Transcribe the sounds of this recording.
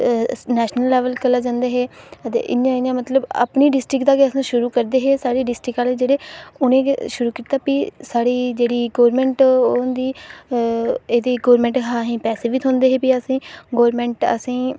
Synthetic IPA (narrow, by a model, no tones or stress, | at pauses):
nɛːʃnəlːɛːʋəlkəlaːd͡ʒãːnd̪eːɦeːət̪ḛːʔɪ̰njãːɪnjãːmət̪ləba̰pniːɖɪsʈɾɪkd̪aːkeəsãːʃʊɾuːkəɾd̪eːɦeːsaːɽiːɖɪsʈɾɪkaːled͡ʒeːɽeːʊnẽːʃʊɾuːkiːt̪aːpisaːɽiːd͡ʒeːɽiːɡoːɾmɛ̃ːɳʈːʊnd̪iː | eːd̪eːɡoːɾmɛ̃ːɳʈɦãːɦĩːpɛːseːʋiːt̪ɦʊ̃nd̪eːɦeːpiəsĩːɡoːɾmɛ̃ːɳʈə̰sĩː